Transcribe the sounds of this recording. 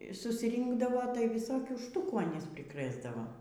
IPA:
sʊsʲˈrʲiːŋɡdɐʋoː tɐɪ ʋʲɪˈsoːkʲuː ˈʃtʊkuː ɐˈnʲiːs pʲrʲɪˈkrɘzdɐʋɐ

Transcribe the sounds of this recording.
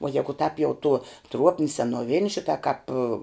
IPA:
uɔ ˈjæːɡʊ tɑːp jɛʊ tuɔ ˈtruɔpʲnʲɪ sʲɛnuɔˈʋʲɪnʲɪ ˈʃʲɪtɐ kɑːp

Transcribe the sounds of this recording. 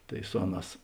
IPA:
ˈtɐɪ ˈsʊ ɐˌnɑːs

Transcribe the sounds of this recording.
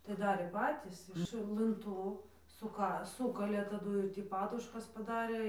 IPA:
tɐɪ ˈdɑːrʲeː ˈpɑːtʲiːs ɪʃ lˠɨnˈtuː sʊˈkɐ ˈsuːkɐlʲeː tɐˈduː ɪr ˈtʲiː ˈpɑːdʊʃkɐs pɐˈdɑːrʲeː

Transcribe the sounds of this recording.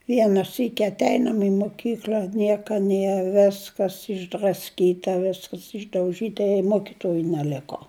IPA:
ˈʋʲiɛnɐ ˈsʲiːkʲɪ ɐtʲˈɛɪnɐm ɪ mʊˈkʲiːklʲɐ ˈnʲiɛkɐ ˈnʲiɛ ˈʋʲæːskɐs ɪʒdrɐsʲˈkʲiːtɐ ˈʋʲɪskɐs ɪʒdɐʊˈʒʲiːtɐ ɪ ˈmoːkʲɪtuɔjʊ nʲɛˈlʲɪkoː

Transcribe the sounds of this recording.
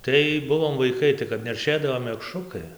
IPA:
ˈtɐɪ ˈbʊʋoːm ʋɐɪˈkɐɪ tɐɪ kɐp nʲɛrʲˈʃʲeːdɐʋoː mʲɛkˈʃrʊkɐɪ

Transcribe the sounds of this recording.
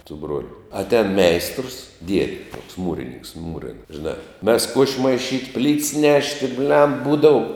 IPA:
sʊ ˈbruɔlʲʊ ɐtʲˈɛːn ˈmʲɛɪstrəs ˈdʲiɛdʲɪ tuɔks ˈmuːrʲɪnʲɪŋks ˈmuːrʲɪn ʒʲɪˈnɑː mʲɛs kuɔʃʲ mɐɪˈʃʲiːtʲ pʲlʲiːts ˈnʲæːʃʲtʲɪ bʲlʲɛm ˈbuːdɐʊ

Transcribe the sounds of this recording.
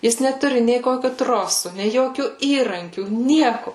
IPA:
ˈjɪs nʲɛˈtʊrʲɪ nʲɛɪ ˈkoːkʲʊ ˈtroːsʊ nʲɛɪ ˈjoːkʲuː ˈiːrɐŋʲkʲuː ˈnʲiɛkʊ

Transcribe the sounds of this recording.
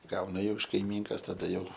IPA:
ˈɡɐʊnɐ jɛʊ ɪʃ kɐɪˈmʲiːŋkɐs tɐˈdɐ jɛʊ

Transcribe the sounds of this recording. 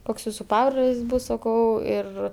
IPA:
ˈkoːks ˈjuːsʊ ˈpɑːbroːlʲɪs ˈbuːs sɐˈkɐʊ ˈɪr

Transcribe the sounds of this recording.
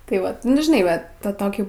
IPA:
tɐɪ ˈʋɐt ˈnʊ ʒʲɪˈnɐɪ ʋɐ ˈtɐ ˈtoːkʲiː

